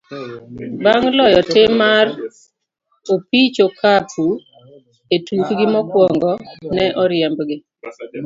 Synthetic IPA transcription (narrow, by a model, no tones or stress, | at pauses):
baŋlɔjɔtɪmar | opit͡ʃokʰapʰu | etukɡɪmɔkwɔŋɡɔnɛʔɔɾjɛmbɡɪ